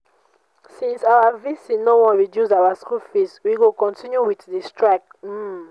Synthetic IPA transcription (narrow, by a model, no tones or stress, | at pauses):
sĩnsawavisĩnowɔ̃nɹidjuzawaskulfiswiɡokɔ̃ntĩnjuwiθdistɹakm̩